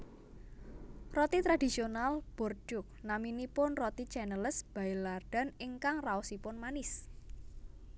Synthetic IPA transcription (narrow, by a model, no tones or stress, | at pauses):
rɔt̪it̪ɾadi̤sionalb̥ɔrd͡ʒʊk̚naminipʊnrɔt̪it͡ʃɛnələsb̥a̤ɪlard̥a̤nɪŋkaŋraɔsipʊnmanɪs